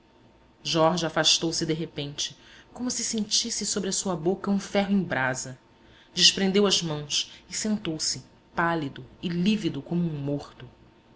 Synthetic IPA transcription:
ʒɔɾʒafaʃt̪owsɪd̪eɦepẽnt͡ʃɪ̥kõmʊsɪsẽnt͡ʃisɪsobɾɐsuɐbokɐũfɛɦʊẽj̃bɾazɐ | d͡ʒɪʃpɾẽnd̪ewɐzmɐ̃w̃sɪsẽnt̪owsɪ | palid̪ʊɪlivid̪ʊkõmʊũmoχt̪ʊ

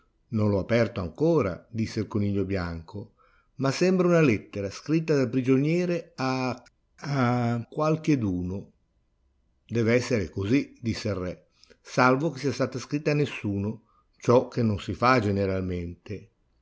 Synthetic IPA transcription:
nonlɔapɛrt̪oaŋkoːɾa̰d̪isːelkoniːʎːobjaŋko | masɛmbɾaunalɛt̪ːeɾaskɾit̪̬ːad̪alpɾid͡ʒonjɛːɾea | akːwalk̟ed̪uːno | d̪ɛːvɛsːeɾekozid̪isːerːɛ | salvok̟esiast̪aːt̪askɾit̪ːaːnːesːuːno | t͡ʃɔk̟ːenːonsifad͡ʒeneɾalment̪e

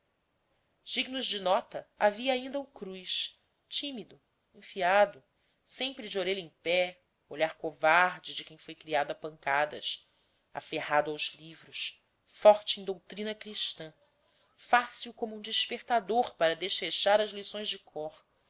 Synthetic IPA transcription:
siɡnuzd͡ʒɪnɔt̪ɐaviɐaĩnd̪ɐukɾujʃ | t͡ʃĩmid̪ʊ | ẽfiad̪ʊ | sẽmpɾɪd͡ʒɪoɾeʎɐẽpɛ | oʎaɾkovaɾd͡ʒɪd͡ʒɪkẽj̃fojkɾiad̪apɐ̃ŋkad̪ɐ̰s | a̰fehad̪ʊawzlivɾʊʃ | fɔχt͡ʃɪẽj̃d̪owt̪ɾĩnɐkɾiʃt̪ɐ̃ | fasiwkõmʊũd͡ʒiʃpeχt̪ad̪oɾpaɾɐd̪eʃfeʃaɾɐzlisõj̃zd͡ʒɪkʰɔχ

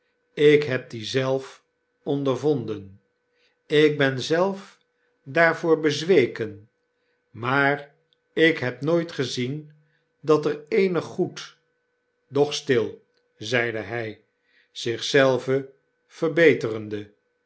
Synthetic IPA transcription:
ɪkɦɛp̚dizɛlˠf | ɔndəɹvɔndən | ɪk̚bɛnzɛlˠf | daːɹvʊːɹbəzʋejkən | maːr | ɪkɦɛpnoːjtχəzin | dɑtərejnəχːut | dɔχstɪlˠ | zɛjdəɦɛj | z̥ɪχsɛlˠvə | v̥əɹbejtərəndə

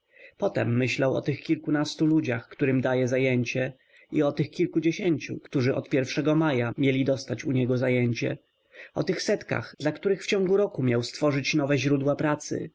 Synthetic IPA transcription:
pɔt̪ɛmːɘɕlawɔ̰t̪ɘxkʲilkunast̪ulud͡ʑaxkt̪uɾɘmd̪ajɛzajeɲt͡ɕɛ | iɔt̪ɘxkʲilkud͡ʑeɕeɲt͡ɕṵkt̪uʐɘʔɔt̪pʲjɛɾfʂɛɡɔmajamʲjelʲid̪ɔst̪at͡ɕuɲɛɡɔzajeɲt͡ɕɛ̰ | ʔɔt̪ɘxsɛt̪ka̰ɣd̪̥lakt̪uɾɘxft͡ɕɔ̃ŋɡuɾɔkumʲjawst̪fɔʐɘt͡ɕnɔvɛʑɾud̪wapɾat̪sɘ̰

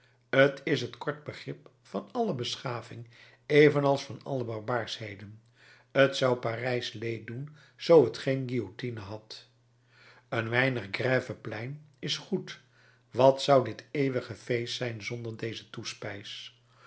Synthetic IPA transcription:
ətʰɪsɦətkɔɹt̚bəχrɪp | fɑnɑləbəsχaːvɪŋ | ejvənɑlˠsfɑnɑ̰ləbɑɹbaːɹshejdən | ətsʌwparɛjslej̚dun | z̥owɦətχejnɡiotinəɦɑt | ənʋɛjnəχɡrɛːvəplɛjnɪsχut | ʋɑtsʌwdɪtejʋəχəvejstsɛjnzɔndəɹdejzətuspɛjs

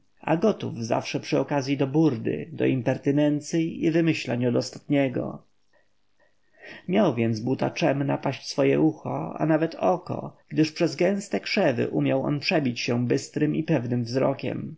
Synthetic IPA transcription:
a̰ɡɔt̪uvza̰fʂɛpʂɘɔkazʲjid̪ɔbuɾd̪ɘ̰d̪ɔ̰impɛɾt̪ɘnɛnt̪siivɘmɘɕlaɲɔd̪ɔst̪ḁt̪ɲɛɡɔ̰ | mʲjawvʲjɛnd̪zbut̪a̰t͡ʂɛmnapaɕsfɔjɛʔuxɔ̰a̰navɛt̪ʰɔkɔ̰ɡ̥d̪ɘʂpʂɛzɡɛ̃w̃st̪ɛkʂɛvɘ̰ʔumʲjawʔɔ̰npʂɛbʲit͡ɕɕɛbɘst̪ɾɘmipɛvnɘmvzɾɔ̰kʲɛ̰m

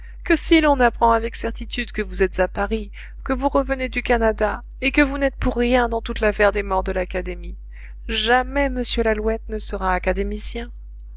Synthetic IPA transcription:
kəsilɔ̃napχɑ̃avɛksɛʁt̪it̪yd̪kəvuzɛt̪z̥apaʁi | kəvuʁəvəned̪ykanad̪a | ekəvunɛt̪̚puʁːjɛ̃d̪ɑ̃t̪ut̪lafɛʁd̪emɔʁd̪əlakad̪emi | ʒamɛməsjølalwɛt̪nəsəʁaːkad̪emisjɛ̃

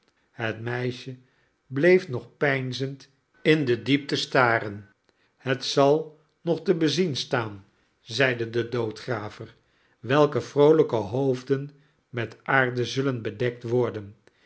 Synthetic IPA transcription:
ɦətmɛjʃə | blejfnɔχpɛjnzənt | ɪndədip̚təstaːɾən | hətsɑlˠ | nɔχtəbəzinstaːn | zɛjdədədowtχraːvər | ʋɛlˠkəfrowləkəɦowvdən | mɛtaːɹdəzɵlənbədɛk̚tʋɔɹdən

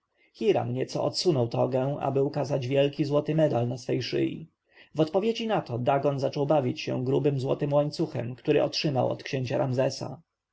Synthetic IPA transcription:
xʲiɾa̰mɲɛt̪sɔ̰ʔɔt̪sunɔwt̪ɔɡɛ̃w̃a̰bɘukazad͡ʑvʲjɛlkʲizwɔt̪ɘmɛd̪alnasfɛjʂɘ̰jḭ | vɔt̪pɔvʲjed͡ʑinat̪ɔd̪aɡɔnzat͡ʂɔwbavʲit͡ɕɕɛ̰̃w̃ɡɾubɘmzwɔ̰t̪ɘmwaɲt̪suxɛ̰mkt̪uɾɘ̰ʔɔ̰tʂɘmawɔ̰t̪kɕeɲt͡ɕaɾamzɛsa̰

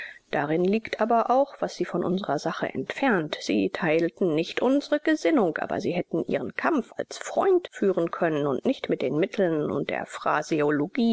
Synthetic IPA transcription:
d̥aʁɪnliːktʔaːbɐʔaʊxv̥asz̥iːfɔnʔʊ̰nzəʁɐzaχə̰ʔɛ̰ntfɛɐntz̥iːtʰaɪltn̩nɪçtʔʊnzəʁəɡ̥əzɪnʊŋkʔa̰ːbɐ̰ziːɦɛtn̩ʔḭːʁənkʰamfa̰lsfʁ̥ɔ̰ʏntfyːʁənkʰœnənʊ̰ntnɪçtmɪt̚d̥eːnmɪtʰl̩nʊ̰nt̚d̥ḛːɐfʁ̥a̰zioloɡ̥iː

